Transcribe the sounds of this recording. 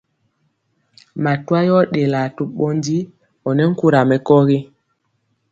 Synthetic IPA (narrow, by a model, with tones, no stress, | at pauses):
ma˨twa˦jɔ˦ɗe˨la˨tu˨ɓɔ˦ndi˦ | ɔ˨nɛ˦ŋ̩˦ku˦ɾa˨mɛ˨kɔ˦ɣi˦